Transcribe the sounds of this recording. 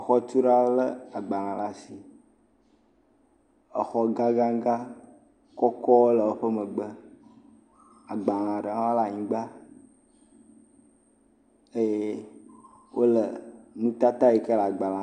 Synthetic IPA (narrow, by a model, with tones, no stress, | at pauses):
xɔ˦t̪u˦ɖa˦wo˦lə˦a˨ɡ͡ba˨lã˨la˨si˨ | ə˨xɔ˦ɡa˦ɡã˦ɡa˦ | kɔ˦kɔ˦wo˦lə˨wo˦ɸə˦mə̃˨ɡ͡bə˦ | a˨ɡ͡ba˨l̃ã˨ɖə˨ã˦a˦la˦ɲĩ˦ɡ͡ba˦ | e˦je˦ | wʔo˦lə˨nũ˦t̪a˦t̪a˦je˨kə˦la˨ɡ͡ba˨lã˨